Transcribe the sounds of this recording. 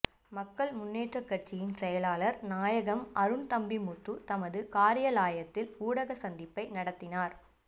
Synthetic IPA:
mɐkːɐɭmʊnːeːʈrɐkːɐʈ̚t͡ʃɪjɪnsɛjɐlaːlɐɾnaːjɐɣɐmʔɐɾɯnt̪ɐmbimʊt̪ːut̪ɐmɐðɯkaːɾɪjɐlaːjɐt̪ːɪluːɽɐɣɐsɐnd̪ɪpːɐɪnɐɽɐt̪ːɪnaːɾ

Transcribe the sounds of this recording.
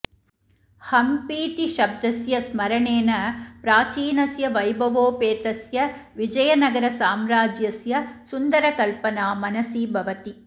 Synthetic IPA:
hɐmpiːt̪iʃɐb̚d̪ɐsjɐsmɐɾɐɳeːnɐpɾaːt͡ʃiːnɐsjɐʋɐjbʱɐʋoːpeːt̪ɐsjɐʋid͡ʒɐjɐnɐɡɐɾɐsaːmɾaːd͡ʒjɐsjɐsund̪ɐɾɐkɐlpɐnaːmɐnɐsiːbʱɐʋɐt̪i

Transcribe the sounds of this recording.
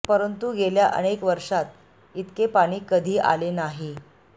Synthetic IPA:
pəɾənt̪uɡeljaʔə̰ɽ̃ekʋəɾʂat̪ | it̪kepaɽ̃iːkəd̪ʱiːʔa̰lenaɦi

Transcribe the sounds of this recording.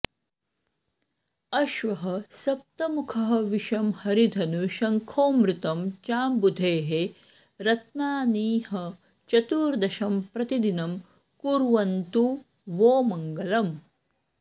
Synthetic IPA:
ɐʃʋɐɦɐsɐp̚t̪ɐmukʰɐɦɐʋiʃɐmhɐɾid̪ʱɐnuʃɐŋkʰoːmɾut̪ɐmt͡ʃaːmbud̪ʱeːɦe | ɾɐt̪naːniːɦɐ | t͡ʃɐt̪uːɾd̪ɐʃɐmpɾɐt̪id̪inɐm | kuɾʋɐnt̪u | ʋoːmɐŋɡɐlɐm

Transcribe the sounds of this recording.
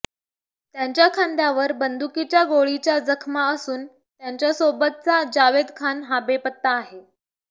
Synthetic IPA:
t̪jaɲt͡ɕjakʰand̪jaʋəɾbənd̪ukit͡ɕjaɡoɭit͡ɕjad͡zəkʰmaəsuːn | t̪jaɲt͡ɕjasobət̪̚t͡sad͡ʑaʋed̪kʰanɦabepət̪ːaːɦe

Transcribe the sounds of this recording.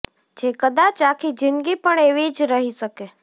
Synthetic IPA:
d͡ʒekəd̪at͡ʃakʰid͡ʒɪnɡipəɳeʋid͡ʒɾəɦiʃəke

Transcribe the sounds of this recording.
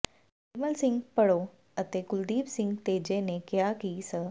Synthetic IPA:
iməlsɪ̃ŋɡpəɽo | ət̪ekʊld̪iːbsɪŋɡt̪ed͡ʒenekjakisə

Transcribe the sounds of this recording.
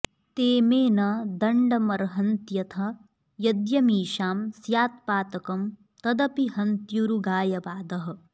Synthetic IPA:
t̪eːmeːnɐd̪ɐɳɖɐmɐɾɦɐnt̪jɐt̪ʰɐ | jɐd̪jɐmiːʃaːmsjaːt̪paːt̪ɐkɐm | t̪ɐd̪ɐpiɦɐnt̪juɾuɡaːjɐʋaːd̪ɐɦɐ̆

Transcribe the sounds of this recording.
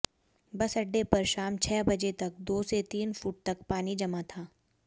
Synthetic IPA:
bɐsɐɖːepɐɾʃaːmt͡ʃʰɛːbɐd͡ʒet̪ɐk̚d̪oːset̪iːnfuːʈ̚t̪ɐk̚paːnid͡ʒɐmat̪ʰaː

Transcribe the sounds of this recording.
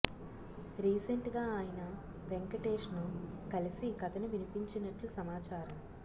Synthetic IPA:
ɾiːseɳʈɡaːaːjɐnɐ | ʋeŋkɐʈeːʂnukɐlisikɐt̪ɐnuʋinipiɲt͡ʃinɐʈlusɐmaːt͡ʃaːɾɐm

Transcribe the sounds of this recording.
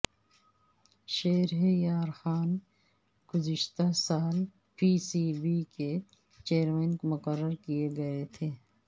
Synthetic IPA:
ʃeːɾɦejaːɾxaːn | ɡ̥ʊzɪʃt̪asaːl | piːsiːbike | t͡ʃeːəɾmẽːnkomʊkəɾːəɾkijeɡɐet̪ʰeː

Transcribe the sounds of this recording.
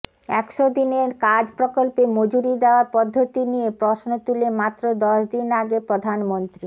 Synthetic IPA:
ɛkʃod̪ineɾkad͡ʑpɾokolpemod͡ʑuɾid̪eoaɾpɔd̪ʱːot̪inijepɾosnot̪ulemat̪ːɾod̪ɔʃd̪inaɡepɾod̪ʱanmont̪ɾi

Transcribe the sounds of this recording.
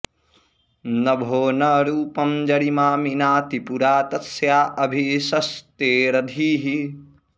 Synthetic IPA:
nɐbʱoːnɐɾuːpɐmd͡ʒɐɽimaːminaːt̪ipuɾaːt̪ɐsjaːʔɐbʱiʃɐst̪eːɾɐd̪ʱiːɦi

